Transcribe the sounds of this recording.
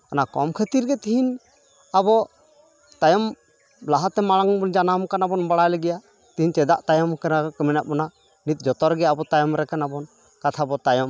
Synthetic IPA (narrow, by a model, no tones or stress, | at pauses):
anakɔmkʰət̪iɾɡɛt̪iɦin | abɔ | t̪ajɔm | laɦat̪ːɛmaɽaŋbɔnd͡ʒanamkanabɔnbaɽajlɛɡɛja | t̪iɦint͡ʃɛd̪aʔt̪ajɔmkɛnakəminaʔ̚mɔna | nit̪̚d͡ʒɔt̪ɔɾɡɛabɔt̪ajɔmɾɛkanabɔn | kat̪ʰabɔt̪ajɔm